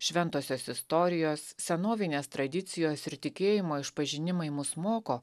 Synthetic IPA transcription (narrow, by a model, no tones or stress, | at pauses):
ʃʲʋʲɛnt̪oːsʲoːsɪst̪oːɾʲɪjoːssʲɛnoːʋʲɪnʲeːst̪ɾɐd̪ʲɪt̪sʲɪjoːsɪɾt̪ʲɪkʲeːjɪmoːɪʃpɐʒʲɪnʲɪmɐɪmʊsmoːkoː